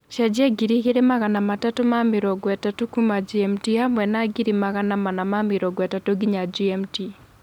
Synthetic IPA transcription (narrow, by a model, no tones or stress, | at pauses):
ʃad͡ʒɪaɡiɾikeɾemaɣanamatatomamɪɾɔɡwɛtatokumad͡ʒiɛmtihamwɛnaɡiɾimaɣanamanamamɪɾɔɡwɛtatoɡiɲad͡ʒiɛmti